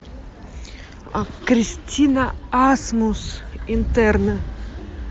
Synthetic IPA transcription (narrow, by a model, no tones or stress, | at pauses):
a̰kɾistʲʰinaasmusint̪ɛɾnɐ